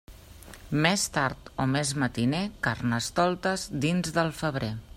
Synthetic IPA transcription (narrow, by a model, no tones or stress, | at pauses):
mest̪aɾt̪omezmət̪inekarnəst̪ɔlˠt̪əzd̪inzðəlˠfəβ̞ɾe